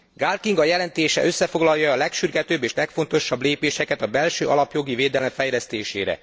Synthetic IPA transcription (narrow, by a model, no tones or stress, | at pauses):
ɡaːlkiŋɡɒjɛlɛnt̪eːʃɛ̰ʔø̞sːɛfo̞ɡlɒjɒːlɛkʃyrɡɛt̪øːbːeːʃlɛkfo̞nt̪o̞ʃːɒbleːpeːʃɛkɛt̪ɒbɛlʃøːʔɒlɒpjo̞ɡiveːd̪ɛlɛɱfɛjlɛst̪eːʃḛːɾɛ̰